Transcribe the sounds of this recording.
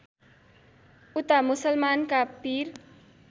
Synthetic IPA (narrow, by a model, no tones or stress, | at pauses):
ut̪amusʌlmankapir